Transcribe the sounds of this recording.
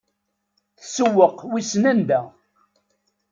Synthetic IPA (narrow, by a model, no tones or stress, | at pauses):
θsəwːəqwisnænd̪æ